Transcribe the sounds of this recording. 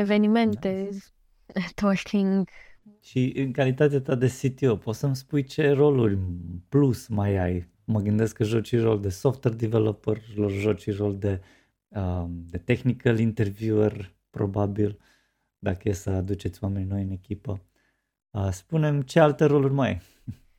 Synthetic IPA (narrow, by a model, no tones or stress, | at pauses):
evenimẽnt̪e | t̪oθiŋɡʃiʔɨŋkalit̪at̪̬eat̪ad̪e̞sit̪iopo̞t̪səmspujt͡ʃe̞ro̞lurʲplusmajaj | məɡɨnd̪e̞skəʒot͡ʃiro̞ld̪e̞soft̪werd̪ivelopəroʒot͡ʃiro̞ld̪e̞ | əd̪e̞t̪e̞xnikəlint̪e̞rvuərʲ | pɾo̞babil | d̪akəjesəad̪ut͡ʃe̞t̪sʲjwame̞nʲno̞jɨne̞kʲipə | əspune̞mt͡ʃe̞alt̪e̞ɾo̞lurʲma̰j